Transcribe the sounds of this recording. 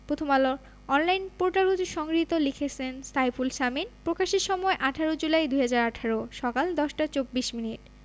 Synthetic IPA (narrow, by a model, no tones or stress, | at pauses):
pɾot̪ʰomaloɾ | ɔnlajnpoɾʈaɾud͡ʑʃɔŋɡɾit̪olikʰet͡ɕʰenst̪ʰajfulʃaminpɾokaʃeʃɔmɔeʔaʈʰaɾod͡ʑulajd̪ujɦad͡ʑaɾaʈʰaɾoʃɔkald̪ɔʃʈat͡ɕobːiʃminiʈ